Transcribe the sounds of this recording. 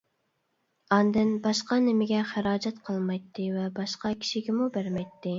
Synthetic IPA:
ɑnd̪ɪnbɑʃqɑnɪmɪɡʲɛχæɾɑːd͡ʒɛt̪qʰəlˠmɑjt̪ʰːɨvɛbɑʃqɑkʲʰi̥ʃiɡʲɪmubæɾmɛjt̪ːɪ

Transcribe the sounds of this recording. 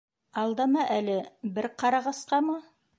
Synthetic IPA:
ɑlˠd̪ɑmɑʔælɘbɘɾqɑɾɑʁɑsqɑmɤ

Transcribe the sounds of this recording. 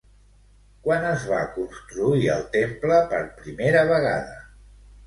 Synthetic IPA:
kwanəzβa̰kunst̪ɾuiə̰lˠt̪empləpə̰ɾpɾimeɾəβəɣa̰ðə

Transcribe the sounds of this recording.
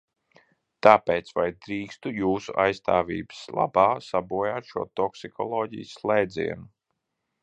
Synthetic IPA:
t̪aːpeːt̪svajd̪ɾiːkst̪ujuːsuʔajst̪aːvḭːbɨ̥slˠa̰baːsabuɔjaːt̪ʃuɔt̪ɔksikʰɔlˠɔːɟḭjslˠɛjd̪zʲḭɛnu

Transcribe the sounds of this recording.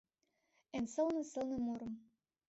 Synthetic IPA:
ensɤ̆lnɤ̆sɤ̆lnɤ̆muɾɤ̆m

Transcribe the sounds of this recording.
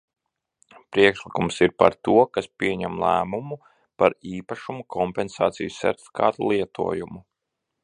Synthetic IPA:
pɾiɛkʃlˠikumsiɾpa̰ɾt̪uɔkaspʲiɛɲɛmlˠæ̰ːmumu | paɾiːpaʃumukʰɔmpɛnsaːt̪sijusːɛ̰ɾt̪ʲi̥fi̥kʰa̰ːt̪ulˠiɛt̪ṵɔjumu

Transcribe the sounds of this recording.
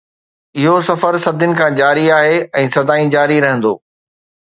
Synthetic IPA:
ɪɦosɐfəɾsɐd̪ʱʊnɪ̆kʰãːd͡ʑaːɾiaːɦeɛ̃ːsɐd̪aːĩd͡ʑaːɾiɾɐɦə̃nd̪o̰ː

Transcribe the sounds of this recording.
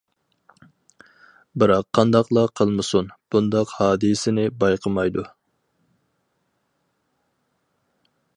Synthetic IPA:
bɨɾɑqʰːɑnd̪ɑqlˠɑqʰəlˠmɨsunb̥und̪ɑqhɑːd̪ɨsɪnɪbɑjqʰəmɑjd̪u

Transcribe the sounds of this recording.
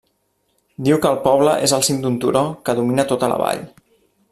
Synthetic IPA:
d̪iwkəːlˠpɔβləʔezəlˠsind̪unt̪uɾokəðuminət̪ot̪ələ̰βa̰ʎ

